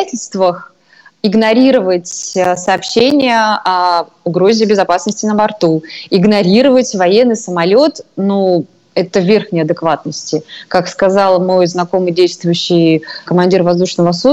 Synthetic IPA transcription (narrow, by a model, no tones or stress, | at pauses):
atʲɪlʲst̪vəx | ɪɡnɐɾʲiɾəvətʲsəɐːpɕːenʲɪjəʔɐ | ʊɡɾo̞zʲɪbʲɪzɐpasnəsʲtʲɪnəbɐrt̪uɪɡnɐɾʲiɾəvətʲvɐjenːɨjsəmɐlʲo̞t̪nu | ɛt̪əvʲe̞rxnʲɪɐd̪ɨkvat̪̚nəsʲtʲɪkakskɐzɑlˠmo̞jznɐko̞mɨjdʲejst̪vʊjʉɕːɪjkəmɐnʲdʲirvɐzd̪uʂnəvəsu